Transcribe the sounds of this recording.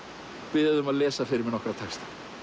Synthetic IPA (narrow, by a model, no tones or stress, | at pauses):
pɪðɪðʏmaðlɛːsafɪɾɪɾmɪnɔkɾat̪ʰɛkst̪ḁ